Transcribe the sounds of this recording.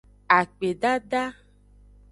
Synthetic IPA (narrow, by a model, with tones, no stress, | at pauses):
a˨k͡pe˨ɖa˦ɖa˦